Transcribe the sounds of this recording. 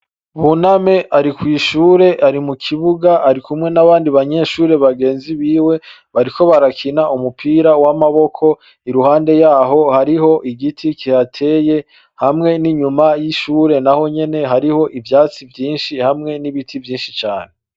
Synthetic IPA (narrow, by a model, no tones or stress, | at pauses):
βuname̞ʔaɾikwiːʃuːɾe̞ʔaɾimukʰiβuɡaʔːɾikumŋe̞naβaːndiβaɲe̞ʃuːɾe̞βaɡe̞ːnziβiːwe̞ | βaɾikʰo̞βaɾakʰinaumupʰiːɾawamaβo̞kʰo̞ | iɾuhaːnde̞jaːɦo̞haɾiho̞ʔiɡitʰikihatʰe̞ːje̞ | hamŋe̞niɲumajiʃuːɾe̞naho̞ɲe̞ne̞ɦaɾiho̞ʔivjaːt͡sivjiːnʃihamŋe̞niβitʰivjiːnʃit͡ʃaːne